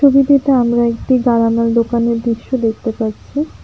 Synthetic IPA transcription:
obiʈ̪eʈaamɾaek̚ʈiɡaɾamald̪okaneɾd̪ɾiʃːod̪ek̚ʰt̪epaɾt͡ɕʰi

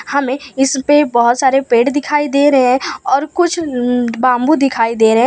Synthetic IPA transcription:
hɐmẽɪspebɔɦʊt̪saːɾepeːʈd̪ɪkʰaːid̪eːɾɐɦɛ̃ɔːɾkʊt͡ʃʰbãːmbud̪ɪkʰaːid̪eːɾɐɦɛ̃

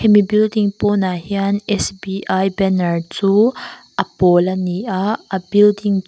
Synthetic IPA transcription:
kʰɛmibildiŋpɔnahianɛsbiʔajbɛnɐɹt͡suʔɐpɔlɐniʔaɐbildiŋ

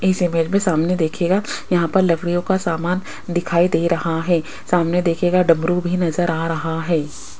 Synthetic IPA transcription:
ɪsɪmeːd͡ʒmẽsaːmned̪eːkʰeːɡajɐɦãpɐɾlɐɡɽijõkasaːmaːn | d̪ɪkʰaːid̪eːɾɐhaɦɛː | saːmned̪eːkʰeːɡaɖɐ̃mɾubʱinɐzəɾaːɾɐɦaɦɛː

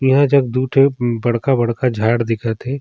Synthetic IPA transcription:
jɐɦãd͡ʒɐɡ̚d̪uːʈʰebɐɽ̤kabɐɽkad͡ʒʱaːɽd̪ɪkʰat̪ʰɛː

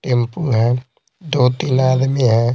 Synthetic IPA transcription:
ʈẽmpuɦɛ̃ | d̪oːt̪inaːd̪mẽɦɛ̃

